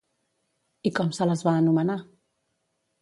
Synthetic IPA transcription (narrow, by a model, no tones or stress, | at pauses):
ikɔmsələzβaːnuməna